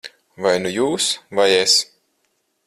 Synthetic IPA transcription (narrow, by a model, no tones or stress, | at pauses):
vajnujuːsvajes